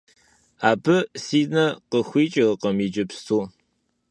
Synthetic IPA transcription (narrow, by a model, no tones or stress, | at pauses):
aːbɨsiːnɐqəxʷiːt͡ʃʼɪʁəqɐmiːd͡ʒɪpstʰuː